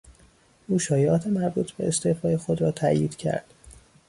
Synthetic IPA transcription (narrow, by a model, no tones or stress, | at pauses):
ʔuːʃɒːjeɒːt̪ʰemæɾbuːt̪ʰbe̞̰est̪eːfɒːjexo̞d̪ɾɒːt̪ʰæʔjiːd̪̥cʰæ̰ɾd̪̥